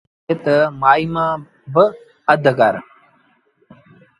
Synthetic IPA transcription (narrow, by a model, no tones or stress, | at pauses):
et̪əmaːimãː | bə | əd̪ʱɡaɾ